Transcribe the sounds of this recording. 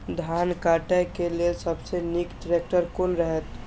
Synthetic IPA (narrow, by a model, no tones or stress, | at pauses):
d̪ʱankaʈəjkelelsəbsenikʈɾek̚ʈəɾkonɾəɦɛt̪